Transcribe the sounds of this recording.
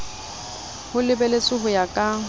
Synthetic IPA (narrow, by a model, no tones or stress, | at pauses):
hʊlɪbɛlet͡sʼʊɦʊjakʼa